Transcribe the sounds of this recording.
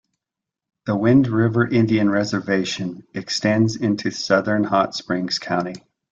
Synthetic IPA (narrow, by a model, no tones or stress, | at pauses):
ðəwɪ̃ndɹɪvə˞ʔɪ̃ndiɨ̃nɹɛzə˞veɪʃɨ̃nɨkstɛ̃ndzɪ̃ntʰʉsʌðə̃˞nhɑtspɹɪ̃ŋz̥kʰãʊ̃ɾ̃i